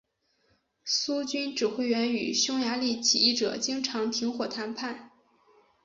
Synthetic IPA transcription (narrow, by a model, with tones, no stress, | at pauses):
su˥t͡ɕy˥nʈ͡ʂɻ̩˨˩xwe˥˩ɪɥɛ˧˥ny˨˩ɕjʊ˥ŋja˧˥li˥˩t͡ɕʰi˨˩i˥˩ʈ͡ʂɤ˨˩t͡ɕi˥ŋʈ͡ʂʰɑ˧˥ŋt̪ʰi˧˥ŋxwɔ˨˩t̪ʰa˧˥npʰa˥˩n